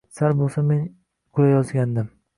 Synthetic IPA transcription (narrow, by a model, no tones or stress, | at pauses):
saɾbolˠsamen | qʰʊjajɒzɡʲand̪ɪm